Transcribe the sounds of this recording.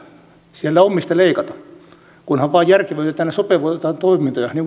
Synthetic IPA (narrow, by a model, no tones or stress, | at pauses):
sielt̪æomːist̪ɑleikɑt̪ɑ | kunhɑʋʋɑːjjærkeʋæyt̪et̪æːnesopeʋoit̪ɑnt̪oimint̪ojɑniːŋk